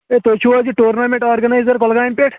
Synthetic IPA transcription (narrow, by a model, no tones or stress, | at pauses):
et̪ot͡ʃʰuad͡ʒiʈuːɾnamẽɳʈaːɾɡɐnaːizəɾkɔlɡaːnpeʈʰ